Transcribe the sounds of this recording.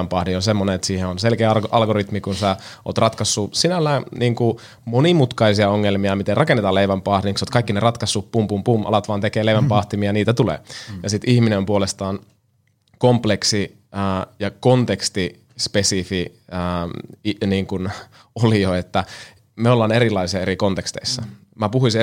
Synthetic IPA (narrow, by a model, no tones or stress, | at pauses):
æmpɑːhdionsemːoneet̪siːheonselkeːɑʔɑlɡoɾit̪mikunseo̰ːt̪rɑt̪kɑsːusinælːæːnʔiːŋku | monimut̪kɑisiɑoŋːelmiɑmit̪erɑkenːet̪ɑːleiʋæmpɑːhdiniksoːt̪kɑikːinerɑt̪kɑsːuppumpumpumʔɑ̰lɑt̪ʋɑːnt̪ekeːleiʋæmpɑːht̪imiɑniːt̪æt̪ulḛːjɑsit̪ihminempuolest̪ɑːn | kompleksi | əːjɑkont̪ekst̪i | spesifiəːiniːŋkun | olijoet̪ːæ | meolːɑːneɾilːˑɑisiɑeɾikont̪ekst̪ḛisːɑ | mæpuɦuisi